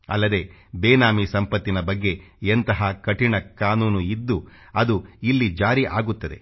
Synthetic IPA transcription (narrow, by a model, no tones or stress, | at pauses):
ɐ̰lːɐd̪e̞ːbeːnaːmisɐmpɐt̪ːinɐbɐɡːe̞ent̪ɐɦɐkɐʈiɳɐkaːnuːnuid̪ːu | ɐd̪uilːid͡ʒaːɾiʔaːɡut̪ːɐd̪e̞̰